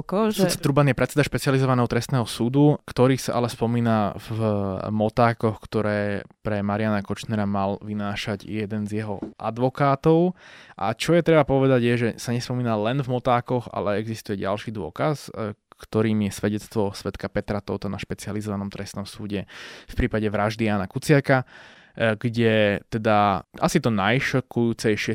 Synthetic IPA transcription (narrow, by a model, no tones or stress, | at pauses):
kɔt͡sɛt̪ɾubanjɛpɾɛt̪t͡sːɛd̪aʃpɛt͡sializɔʋanɛːɦɔt̪ɾɛst̪nɛːɦɔsuːd̪ukt̪ɔɾiːsaʔalɛspɔmiːnavmɔt̪aːkɔxkt̪ɔɾɛːpɾɛmaɾɪanakɔt͡ʃnɛɾamalʋinaːʃaɟjɛd̪ɛnzjɛɦɔʔa̰d̪ʋɔkaːt̪ɔʊʔa̰t͡ʃɔjɛt̪ɾɛbapɔʋɛd̪aɟjɛʒɛsaɲɛspɔmiːnalɛnvmɔt̪aːkɔɣa̰lɛɛɡzist̪ujɛɟa̰lʃiːd̪ʊɔ̰kaskt̪ɔɾiːmjɛsʋɛɟɛt͡st̪ʋɔsʋɛt̪kapɛt̪ɾat̪ɔt̪ɔnaʃpɛt͡sializɔʋanɔmt̪ɾɛsnɔmsuːɟɛfpɾiːpaɟɛʋɾaʒd̪iaːnakut͡sɪaka | ɡɟɛt̪ɛd̪aasit̪ɔnajʃɔkujuːt͡sɛjʃɪɛ